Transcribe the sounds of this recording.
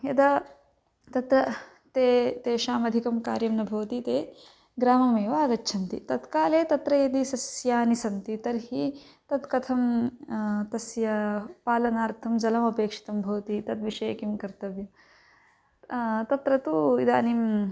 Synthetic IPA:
jɐd̪ɐ | t̪ɐt̪ɾɐ | t̪eːt̪eːʃaːmɐd̪ʱikɐmka̰ːɾjɐmnɐbʱɐʋɐt̪it̪eː | ɡɾaːmɐmeːʋaːɡɐt͡ʃːt͡ʃʰɐnt̪ḭt̪ɐt̪kaːleːt̪ɐt̪ɾɐjɐd̪isɐsjaːnisɐnt̪it̪ɐɾɦi | t̪ɐt̪kɐt̪ʰɐm | t̪ɐsjɐpaːlɐnaːɾt̪ʰɐmd͡ʒɐlɐmɐpeːkʂi̥t̪ɐmbʱɐʋɐt̪it̪ɐd̪ʋiʂeːɐkimkɐɾt̪ɐʋjɐm | t̪ɐt̪ɾɐt̪uid̪a̰ːnim

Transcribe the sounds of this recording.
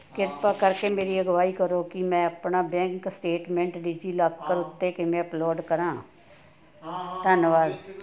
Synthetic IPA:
kɪɾpaːkəɾkeːmeːɾiːəɡʋaːiːkəɾoːkɪmɛ̃ːəpnaːbɛ̃ːŋksʈeːʈmɛ̃ːɳʈɖɪd͡ʒiːlaɡkəɾʊt̪ːeːkɪmɛ̃ːəploːɖkəɾãː | t̪ənʋaːɾ

